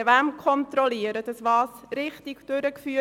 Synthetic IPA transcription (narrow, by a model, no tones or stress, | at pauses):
ʋæmkʰɔnt̪ɾɔliəɾədəsʋɑːsɾɪχtikd̥øɾəkfyː